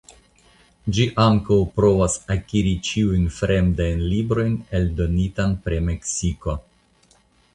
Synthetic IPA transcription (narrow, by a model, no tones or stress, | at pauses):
d͡ʒiʔaŋkawpɾo̞vasakiɾit͡ʃiujnfɾe̞mdajnlibɾo̞jne̞ldo̞nitanpɾeme̞ksiko